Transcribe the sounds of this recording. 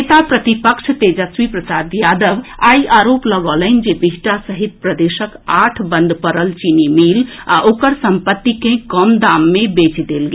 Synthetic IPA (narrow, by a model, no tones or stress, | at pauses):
t̪apɾət̪ipəkʃʰt̪ed͡ʒəswipɾəsad̪jad̪əʋaiʔaɾopləɡələnd͡ʒebiɦʈasəɦit̪̚pɾəd̪esəkaʈʰbənd̪pəɾəlt͡ʃinimilaʔokəɾsəmpət̪ːikẽkəmd̪amːebet͡ʃd̪elɡe